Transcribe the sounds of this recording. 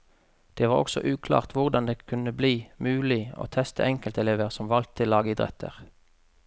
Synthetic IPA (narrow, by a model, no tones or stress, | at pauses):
d̪̥eːʋɑːʁɔ̰ksɔ̰ʔʉːkʰlɑ̰ːʁt̪ʋʊʁd̪ɑnd̪eːkʰʉnəbliːmʉːlɪo̰ːt̪ʰɛst̪ʰəɛŋkəlt̪ɛleːʋəʁsɔmʋɑlt̪ʰːɪlːɑːɡəɪd̪ʁɛ̰t̪ʰə̰ʁ